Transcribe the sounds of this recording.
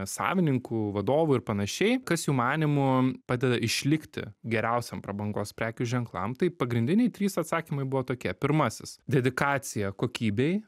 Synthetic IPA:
sɑ̰ːʋʲɪnʲɪŋkuːʋɐd̪oːʋʊɪɾpɐnɐʃʲɛɪkɐsjuːmɑːnʲɪmʊpɑːd̪ʲɛd̪ɐʔɪʃʲlʲɪkt̪ʲɪ̰ɡʲɛɾʲɛʊsʲɛmpɾɐbɐŋɡoːspʲɾʲæːkʲuʒʲɛŋklˠɐ̰mt̪ɐɪpɐɡɾʲɪnʲd̪ʲɪnʲɛɪt̪ʲɾʲiːsɐt̪sɑːkʲimɐɪbʊʋoːt̪oːkʲiɛpʲɪɾmɐsʲɪsd̪ʲɛd̪ʲɪkɑːt̪sʲɪjɛkoːkʲiːbʲej

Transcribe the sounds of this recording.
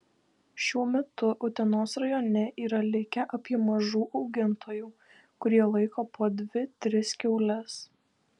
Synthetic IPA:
ʃʲuɔmʲɛt̪ʊʔʊt̪ʲɛnoːsɾɐjɔːnʲɛʔiːɾɐlʲɪkʲɛʔɐpʲiɛmɐʒuːʔɒʊɡʲɪnt̪ʰoːjuː | kʊɾʲiɛlˠɐɪkoːpoːd̪ʲʋʲɪt̪ʲɾʲɪskʲɛʊlʲɛs

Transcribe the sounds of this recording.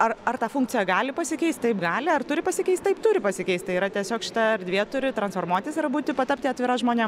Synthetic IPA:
ɐrɐrt̪ɑːfʊŋk̚t͡s̪ʲɪjɛɡɑːlʲɪpɐsʲɪkʲɛɪst̪ʲt̪ɐɪpɡɑːlʲɪɐrt̪ʊɾʲɪpɐsʲɪkʲɛɪst̪ɐɪpt̪ʊːɾʲɪpɐsʲɪkʲɛɪst̪ʲt̪ɐɪiɾɐt̪ʲiɛsʲoːkʃʲɪ̥t̪ɐɐɾʲd̪ʲʋʲiɛt̪ʊɾʲɪt̪ɾɐnsfoːrmuɔt̪ʲɪsɐrbuːt̪ʲɪpɐt̪ɐpʲt̪ʲɪɐt̪ʲʋʲɪɾɐsʒmoːnʲɛm

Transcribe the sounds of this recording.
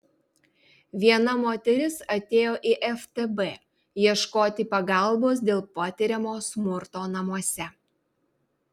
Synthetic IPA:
ʋʲiɛnɐmoːt̪ʲɛɾʲɪsɐt̪ʲeːjoːʔɪʔɛft̪ebɛ | jiɛʃkoːt̪ʲɪpɐɡɐˑlˠboːs̬d̪ʲeːlˠpɐt̪ʲɪɾʲɛmoːsmʊɾt̪oːnɐmuɔsʲɛ

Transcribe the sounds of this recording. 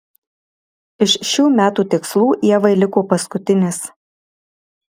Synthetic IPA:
ɪʃʃʲuːmʲæːt̪uːt̪ʲɪkslˠuːʔiɛʋɐɪlʲɪkoːpɐskʊt̪ʲɪnʲɪs

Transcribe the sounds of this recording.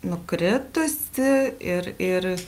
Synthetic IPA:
nʊkɾʲɪt̪ʊsʲɪɪɾɪr

